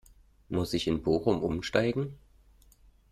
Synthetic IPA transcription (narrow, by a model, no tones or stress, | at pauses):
mʊsɪçɪnboːxʊmʔʊmʃtaɪɡŋ̩